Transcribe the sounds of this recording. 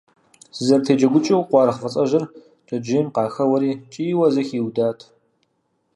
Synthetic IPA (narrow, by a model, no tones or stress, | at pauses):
sɨzɐrtʰeːd͡ʒɐɡʷʊt͡ʃʼɐwqʷɑːɾɐχfɐt͡sʼɐʒɐr | t͡ʃʼɐd͡ʒeːmqɑːxɐwɐɾiːt͡ʃʼiːwɐzɐxiːwdaːtʰ